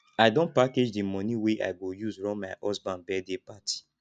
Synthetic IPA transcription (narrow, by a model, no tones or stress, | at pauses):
aɪdõnpaked͡ʒdimɔ̃niweʔa̰ɪɡojuzɹɔ̃maʔɔsbãnbɛdepatʰi̥